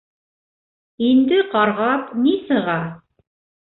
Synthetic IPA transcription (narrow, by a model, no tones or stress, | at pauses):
ind̪ɘqɑɾʁɑpnisɤ̆ʁɑ